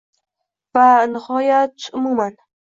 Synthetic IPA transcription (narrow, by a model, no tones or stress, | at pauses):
vanɪhɒjat̪ʊmuman